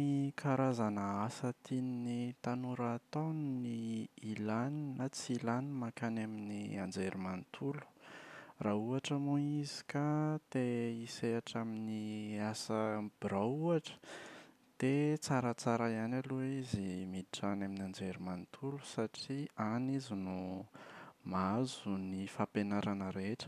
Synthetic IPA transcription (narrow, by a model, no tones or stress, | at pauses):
ikʰaɾazanaasət̪ininit̪anuɾaːt̪onniilaninat͡silanimakanaminia̰nd͡zeɾimant̪ʰulu̥rauaʈ͡ʂamuizi̥kat̪eiseaʈ͡ʂaminiasəb̥iɾauaʈ͡ʂə̥ | d̪̥et͡saɾət͡saɾaianaluizimiiʈ͡ʂanaminand͡zeɾimant̪ʰulu̥saʈ͡ʂianizinu | mazunifapenaɾanəɾeʈ͡ʂə̥